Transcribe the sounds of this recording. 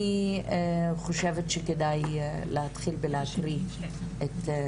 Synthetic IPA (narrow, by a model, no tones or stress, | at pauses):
i | χoʃevetʃekedajlehat̪χilbeleakʁi | ʔet̪